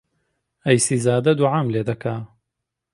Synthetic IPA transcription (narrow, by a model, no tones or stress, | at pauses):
ɐjsiːzaːd̪ɐd̪uʕaːmleːd̪ɐkʰa